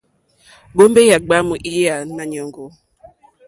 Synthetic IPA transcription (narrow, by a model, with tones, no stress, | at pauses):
ɓo˦mbe˦ja˨ɡ͡ba˦mu˨ʔi˦ja˨na˨ɲɔ˨ŋɡɔ˨